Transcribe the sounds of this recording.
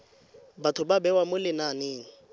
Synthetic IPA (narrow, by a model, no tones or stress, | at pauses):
batʰʊbabɛwamʊlɪnaneːŋ̩